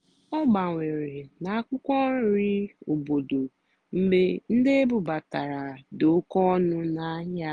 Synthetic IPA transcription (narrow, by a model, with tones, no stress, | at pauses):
ɔ˦ɡ͡ba˨ŋʷe˨ɾe˨na˨a˦kʷʊ˦kʷɔ˦ɾi˦o˨bo˨do˨ | m̩˦be˦n̩˦de˦e˦bu˨ba˨ta˨ɾa˨do˨˦kɔ˦nʊ˦na˨˦ɲa˦